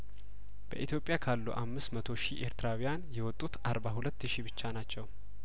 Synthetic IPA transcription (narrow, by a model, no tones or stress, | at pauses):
b̥ə̰ʔit̪ʰjo̞pʼjakʰalːṵʔamːɨsmət̪ʰo̞ʃiʔeɾt̪ɨɾawijanjɛwɔt̪ʼːut̪ʔaɾbahulət̪ːɨʃibɨt͡ʃːanat͡ʃːɛw